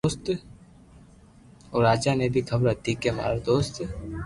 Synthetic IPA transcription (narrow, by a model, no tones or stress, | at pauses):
oːst̪ | oːɾaːd͡ʒanebʱikʰəbɾət̪iːkema̰ːɾd̪oːst̪